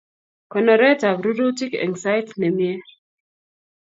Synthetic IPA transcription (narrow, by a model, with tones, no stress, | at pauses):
kɔ˨nɔ˨ɾɛ˦ta˨vɾu˦ɾu˦ti˦kɛ̰˨ŋsa˦jtnɛ˨mjɛ˦